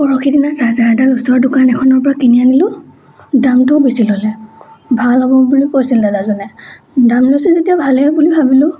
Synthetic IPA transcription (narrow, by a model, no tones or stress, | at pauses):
pɔɹɔxʰidinasazaɹdanusɔɹdʊkanɛkʰɔnɔɹpɔɹakinianilʊ | damtʊbisilɔlɛbʱalɔbɔbulikojsildadazɔnɛ | damlosizetijabʱalebulibʱabilʊ